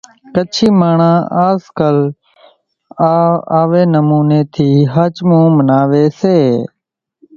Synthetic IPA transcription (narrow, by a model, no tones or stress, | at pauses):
kət͡ʃʰiːmaːɳãːaːzkəl | aːʋeːnəmuːneːt̪ʰiːɦəːt͡ʃmũːmənaːʋeːseː